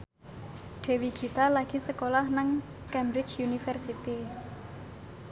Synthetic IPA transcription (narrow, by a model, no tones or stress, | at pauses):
ɖ̥e̤wiɡ̥i̤t̪alaɡ̥i̤səkolahnaŋ | kɛmbɾɪ̥t͡ʃjunifɛrsit̪i